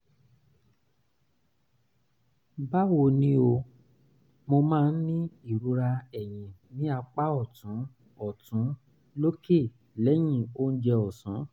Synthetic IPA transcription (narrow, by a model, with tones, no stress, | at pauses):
ba˦wo˧nĩ˦o˧ | mo˧mãː˦˧n̩˦nĩ˦i˦˨ɾu˧˦ɾa˧ɛ˨j̃ĩ˨nĩ˦a˧k͡pa˦ɔ˦˨tũ˨˦ | ɔ˨tũ˨˦ | lo˦ke˦˨ | lɛ˨˦j̃ĩ˦˧˨o˦n̩˦d͡ʒɛ˧ɔ˨sũ˨˦